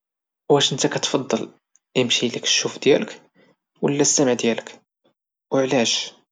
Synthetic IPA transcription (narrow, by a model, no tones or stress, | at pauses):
wæʃənt̪ækæt̪fɑd̪ˤːɑl | əmʃilək̪ʃːufd̪jæ̰lək | wəlːæst̪æməʕd̪jælək | wəʕlæʃ